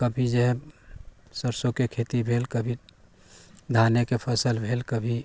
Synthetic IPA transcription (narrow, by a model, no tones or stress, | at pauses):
kəbʱid͡ʒəɦɛ̃ | səɾsõkekʰet̪ibʱeːlkəbʱi | d̪ʱanekepʰəsəlbʱeːlkəbʱi